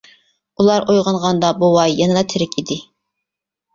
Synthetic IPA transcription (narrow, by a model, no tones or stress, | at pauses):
ulˠɑɾʔojʁɑnʁɑnd̪ɑbuwɑjːɑnɨd̪ɑt̪ʰɪɾɪkʲid̪ɪ